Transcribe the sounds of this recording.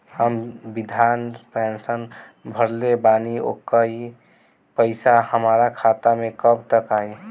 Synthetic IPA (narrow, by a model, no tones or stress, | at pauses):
həmbid̪ʱanpensən | bʱəɾlebanio̰kəj | pəɪsahəmaɾakʰat̪amekəbt̪əkaj